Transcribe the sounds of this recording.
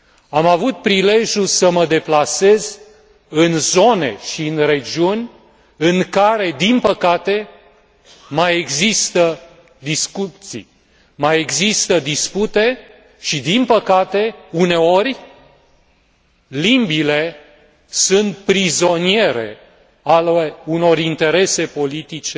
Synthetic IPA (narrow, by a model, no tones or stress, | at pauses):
amavut̪̚pɾile̞ʒʲjusəməd̪e̞plase̞z | ɨnzo̞ne̞̰ʃiɨnre̞d͡ʒiunʲ | ɨŋkaɾe̞d̪inpəkat̪e̞ | maje̞ɡzist̪ə | d̪iskut̪sḭ | maje̞ɡzist̪əd̪isput̪e̞ | ʃid̪inpəkat̪e̞une̞o̞rʲ | limbile̞ | sunt̪̚pɾizo̞nie̞ɾe̞̰ | aluno̞ɾint̪e̞ɾe̞se̞po̞lit̪it͡ʃe